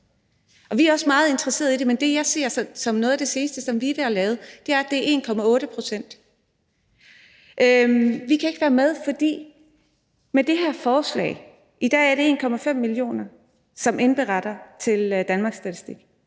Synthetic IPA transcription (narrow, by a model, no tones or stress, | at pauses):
ʔɒ̽ʋiæɐɒ̽smɑ̈ːð̞̩ˠe̝nd̥ʁɐse̝̰ɐð̩ˠid̥e̝mend̥e̝jɑ̈ɪse̝ɐ̰sɒ̽sɒ̽mnɔːð̞ˠd̥e̝se̝ːnsd̥əsɒ̽mʋiʋ̥eælɛːʊð̩ˠd̥eæɐæd̥e̝æɐʔe̝̰ːnkʰɒ̽mæɔ̽ːɾ̥əpʰʁo̝sen̰d̥ | ʔømʋikʰæe̝ɡ̥ʋæːɐmeð̞ˠfɒ̽d̥ḭː | med̥e̝ɦæɐ̰fɒːslɛ̰ːɪ | ʔid̥ɛ̰ːæɐɾe̝e̝̰ːnkʰɒ̽mæfem̰ːilio̝̰ːnɐ | sɒ̽menb̥eʁɑɾ̥ɐt͡sʰe̝ld̥ænmɑ̈ːɡ̥sːd̥æt͡sʰisd̥iɡ̥